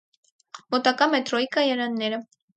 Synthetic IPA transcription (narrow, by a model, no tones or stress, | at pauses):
mɔt̪ɑkɑmɛt̪ɾɔikɑjɑɾɑnːɛɾə